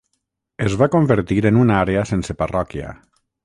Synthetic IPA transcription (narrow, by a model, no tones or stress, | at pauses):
ezβakombeɾt̪iɾenunaɾeasenseparɔkja̰